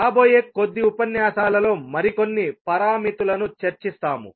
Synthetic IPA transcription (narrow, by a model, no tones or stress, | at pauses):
aːbo̞ːje̞ːko̞d̪ːiupɐnjaːsaːlɐlo̞ːmɐɾikonːipɐɾaːmit̪ulɐnut͡ʃɐɾt͡ʃist̪aːmṵ